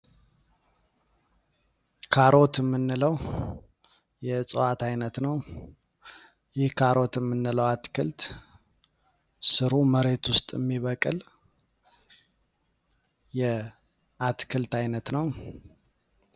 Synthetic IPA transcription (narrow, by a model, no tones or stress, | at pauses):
kʰaɾo̞t̪əmːɨnːɨləw | jɛt͡sʼəwat̪ʰajnət̪nəw | jɪhkʰaɾo̞t̪ɪmːɨnːɨləwat̪kʰɨ̰lt̪ | sɨɾuməɾe̞t̪wʊst̪ʼəmːiβəkʼɨl | jɛ | ʔat̪kʰɨlt̪ajnət̪nəw